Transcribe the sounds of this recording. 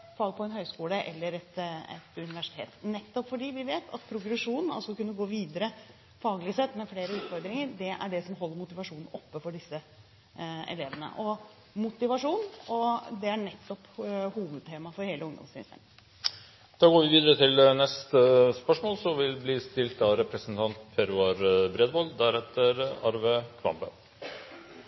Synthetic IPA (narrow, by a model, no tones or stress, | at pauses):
fɑːɡpʰɔɛnhœʏskuːləʔɛlːəɾɛt̪ɛ̰t̪ʉnɪʋæʂɪ̥t̪ʰḛːt̪nɛt̪ːɔpfɔɖiːʋɪʋeːt̪ʰɑt̪pʰɾʊɡɾɛʂuːnn̩ɑ̰lsɔkʉnːəɡoːʋiːd̪əɾə | fɑːɡlɪsɛt̪ːmɛfleːɾəʉːt̪fɔɾd̪ɾɪŋəɾd̪ɛʔæ̰ɖɛsɔmɦɔlːəɾmʊt̪ɪʋɑʂuːnn̩ɔpːəfɔɖɪsːə | ɛ̰leːʋənə̰ʔɔ | mʊt̪ɪʋɑʂuːnɔd̪ɛæɳɛt̪ːɔphuːʋʉd̪̚t̪ʰeːmɑfɔɾheːləʊŋd̪ɔ̰msɪ̰nə̰n | d̪̥ɑːɡoːʋɪʋiːd̪əɾət̪ʰɪlnɛst̪əspœʂmoːlsɔʋɪlbliːst̪ɪlt̪ɑɾɛpɾəsnt̪ʰɑnt̪pʰɛɾʉɑɾbɾeːd̪bɔld̪æɾhɛt̪ːəɾɑɾʋəkʰʋɑ̰mbə̰